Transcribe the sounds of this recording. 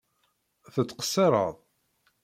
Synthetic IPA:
θət͡sːqə̥sːeɾˤə̰ðˤ

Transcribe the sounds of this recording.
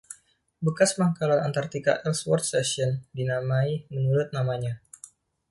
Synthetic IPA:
bəkasmaŋkalana̰nt̪art̪ika̰ʔɛlswɔrt̪̚sɛsiɔndinamaimənuɾʊt̪̚namaɲa

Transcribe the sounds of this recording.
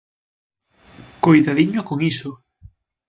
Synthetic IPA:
kojðaðiɲʊkoŋiso

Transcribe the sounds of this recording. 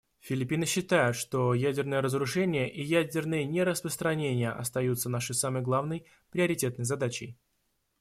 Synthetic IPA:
fʲɪlʲɪpʲinɨɕːɪt̪ajʊt̪ʂt̪o̞jædʲɪrnəjəɾəzɾʊʂɛnʲɪjəʔijædʲɪrnɨjənʲɪɾəspɾəst̪ɾɐnʲenʲɪjə̰ʔɐ̰st̪ɐjut̪sənaʂɨjsaməjɡlˠavnəj | pɾʲɪɐɾʲɪtʲet̪nəjzɐd̪at͡ɕɪ̰j

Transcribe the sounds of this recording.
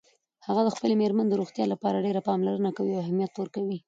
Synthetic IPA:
haɣad̪əxpəlemeɾmaned̪əɾuɣt̪jɑlapɑɾaɖeɾapɑmlaɾənakawiawhamjat̪ːwəɾkawi

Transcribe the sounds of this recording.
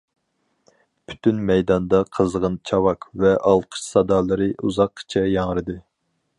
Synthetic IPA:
pʰy̥t̪ʰynmɛjd̪ɑnd̪ɑqʰəzʁənt͡ʃʰɑwɑkvɛʔɑlˠqʰə̥ʃsɑd̪ɑːlˠɨɾɨʔuzɑqʰːt͡ʃʰɛjɑŋɾɨd̪ɨ

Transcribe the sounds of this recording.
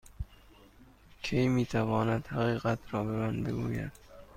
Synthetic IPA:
kʲʰejmiːt̪ʰævɒːnæd̪hæɣiːɣæt̪ʰɾɒːbemænbe̞̰ɡuːjæ̰d̪̥

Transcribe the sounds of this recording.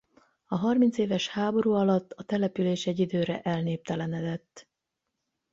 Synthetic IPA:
ɒɦɒrmint̪seːvɛʃhaːbo̞ɾuːɒlɒt̪ːɒt̪ɛlɛpyleːʃɛɟːid̪øːɾɛʔɛlneːp̚t̪ɛlɛnɛd̪ɛt̪ː

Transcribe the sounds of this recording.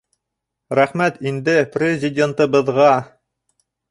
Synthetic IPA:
ɾæχmæt̪ind̪ɘprʲɪzʲɪdʲent̪ɤ̆bɤ̆ðʁɑ

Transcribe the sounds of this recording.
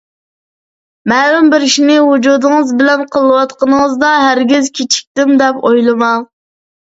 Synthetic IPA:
mɛɾumbɪɾɪʃinɪwud͡ʒud̪ɨŋɨzbɪlɛnqʰəlˠːɨwɑt̪qɑnəŋəzd̪ɑɦæɾɡʲizkʲʰit͡ʃʰi̥k̚ʲt̪ɪmd̪ɛpojlˠɨmɑlˠ

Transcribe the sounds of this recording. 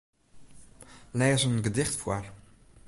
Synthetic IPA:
lɛːzənɡədɪχtfwal

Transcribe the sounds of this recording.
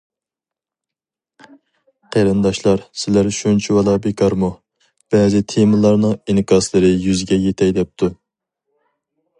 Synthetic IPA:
qʰeɾɨnd̪ɑʃlˠɑɾsɪlæɾʃunt͡ʃʰiwɑlˠɑbekʰɑɾmu | b̥ɛːzɪt̪ʰemɨlˠɑɾnɨŋinkʰɑslˠɨɾɨjyzɪɡʲɛjet̪ʰɛjd̪ɛp̚t̪ʰu

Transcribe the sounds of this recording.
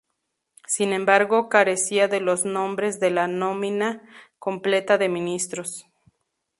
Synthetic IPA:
sinẽ̞mbaɾɣo̞kaɾe̞siaðe̞lo̞znõ̞mbɾe̞zðe̞lano̞mĩnakomple̞t̪aðe̞mĩnist̪ɾo̞s

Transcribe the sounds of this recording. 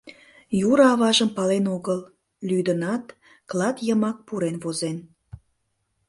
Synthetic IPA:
juɾɑβɑʒəmpɑlenoɣəl | lyd̪ənɑt̪ | klˠɑt̪jəmɑk̚puɾenβozen

